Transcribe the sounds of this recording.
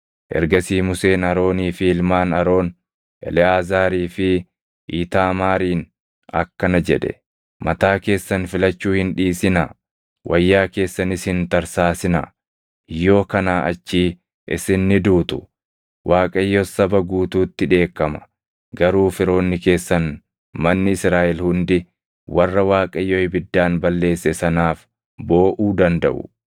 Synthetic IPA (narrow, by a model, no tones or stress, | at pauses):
ʔɛ̰ɾɡɐsiːmʊse̞ːnɐɾo̞ːniːfɪɪlmaːnɐɾo̞ːn | ʔɛ̰lɪaːzaːɾiːfɪ | ʔiːt̪aːmaːɾiːn | ɐ̰kːɐnɐd͡ʒɛᶑɛ̰ | mɐt̪aːke̞ːsːɐnfɪlɐt͡ʃːuːhɪnᶑiːsɪnɐ | wʔɐjːaːke̞ːsːɐnɪshɪnt̪ɐɾsaːsɪnɐ | jo̞ːkɐnaːʔɐ̰t͡ʃːiː | ʔɪ̰sɪnːɪd̪uːt̪ʊ | waːkʼɐjːosɐbɐɡuːt̪uːt̪ːɪᶑe̞ːkːɐmɐ̥ | ɡɐɾuːfɪɾo̞ːnːɪke̞ːsːɐn | mɐnːɪɪsɾaːʔɛlhʊnd̪ɪ | wɐrːɐwaːkʼɐjːoːhɪbɪd̪ːaːnbɐlːe̞ːsːɛsɐnaːf | bo̞ːʔuːd̪ɐnd̪ɐ̰ʔʊ̰